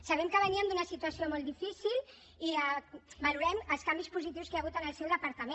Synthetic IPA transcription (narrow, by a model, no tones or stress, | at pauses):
sɐβɛmkəβəniəmd̪unəsit̪uəsiomɔlˠd̪ifisil | iabaluɾɛməlˠskambispuzit̪iwskeaɣut̪ənəlˠsɛwðəpəɾt̪əme